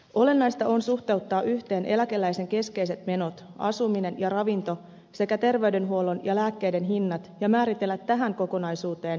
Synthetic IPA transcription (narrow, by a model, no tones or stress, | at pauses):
o̞le̞nːɑjst̪ɑonsuht̪ewt̪ːɑːʔyht̪e̞ːnʔelæk̟e̞lːæjse̞ŋk̟e̞ske̞jse̞t̪me̞no̞t̪ | ɑ̰sumine̞njɑrɑʋint̪o̞ | se̞kæt̪e̞rʋe̞yde̞nɦuolo̞njɑlæːkːe̞jde̞nɦinːɑt̪jɑmæːɾit̪e̞lːæt̪ːæɦæŋko̞ko̞nɑjsuːt̪e̞ːn